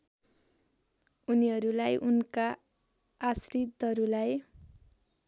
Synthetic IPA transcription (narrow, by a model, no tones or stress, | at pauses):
uniɦʌɾulajʔunkaː | srit̪ʌɾulaj